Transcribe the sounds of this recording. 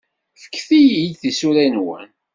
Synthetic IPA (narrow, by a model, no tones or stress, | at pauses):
fə̥kːθijiθisuɾænwæ̰n